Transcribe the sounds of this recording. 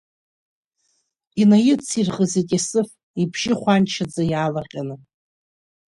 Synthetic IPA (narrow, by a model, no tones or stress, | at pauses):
inajɪt͡sʰirχʼəzitʼasɨf | ibʰʒɪχʷant͡ʃʰad͡zajaːlaqʲʼanɨ